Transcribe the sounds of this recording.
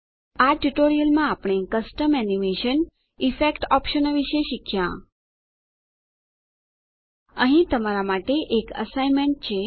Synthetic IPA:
aʈuʈoɾijəlmãapɳ̃ekəsʈəmɛnimeʃən | ifekʈɔpʃənoʋiʃeʃikʰjã̰ | əɦĩt̪əmaɾamaʈeʔekə̰saimẽɳʈ̚t͡ʃʰe

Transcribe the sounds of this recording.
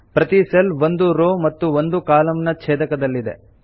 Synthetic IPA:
pɾɐt̪iselʋond̪uɾoːmɐt̪ːuond̪ukaːlɐmnɐt͡ʃʰeːd̪ɐkɐd̪ɐlːid̪e̞̰

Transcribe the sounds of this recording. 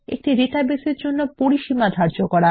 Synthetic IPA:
ḛk̚ʈiɾetabeseɾd͡ʑonːopoɾiʃimad̪ʱaɾd͡ʑokɔɾa

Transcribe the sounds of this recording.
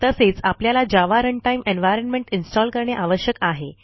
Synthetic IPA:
t̪əset͡sapljalad͡ʑaʋaɾəɳʈaimʔenʋajɾənmẽɳʈinsʈɔlkəɾɳjaʔaʋəɕjəkaɦe

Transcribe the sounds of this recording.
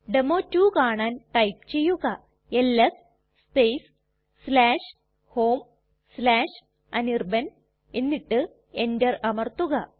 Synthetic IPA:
ɖemoːtːuːkaːɳaːnʈɐjp̚t͡ɕe̞jːuɣɐ | elːɐs | spejs | slaːʂ | hoːm | slaːʂ | ɐnirbɐn | enːiʈːɨ | endɐrɐmɐrt̪uɣɐ

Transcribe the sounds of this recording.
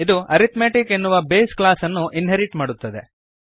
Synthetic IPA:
id̪uɐɾit̪meːʈike̞nːuʋɐbeːsklaːsɐnːuʔinɦeɾiʈmaːɽut̪ːɐd̪e̞̰

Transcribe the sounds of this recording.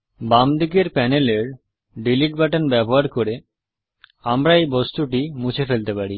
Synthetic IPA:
bamd̪ik̬eɾpɛneleɾ | ɖiliʈ̚baʈanbɛboɦaɾkoɾe | amɾaejbost̪uʈimut͡ɕʰefelt̪epaɾi

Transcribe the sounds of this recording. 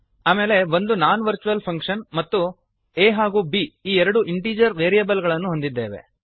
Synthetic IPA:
aːme̞ːle̞ʋo̞nd̪unaːnʋɐɾt͡ʃuʋɐlpʰɐŋkʂɐnmɐt̪ːu | eːɦaːɡuːbiːiːɛɾɐɽuʔiɳʈiːd͡ʒɐɾʋeːɾijɐbɐlɡɐɭɐnːuɦond̪id̪ːe̞ːʋe̞̰

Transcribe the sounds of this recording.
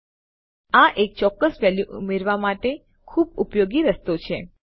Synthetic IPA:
aʔek̚t͡ʃɔkːəsʋɛljuʔumeɾʋamaʈe | kʰubupjoɡiɾəst̪ot͡ʃʰe

